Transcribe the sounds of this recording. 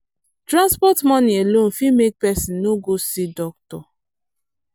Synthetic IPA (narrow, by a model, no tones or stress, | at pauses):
tɾãnspɔtmɔ̃nielõn̩fimek̚pɛsinnoɡosidɔk̚tɔ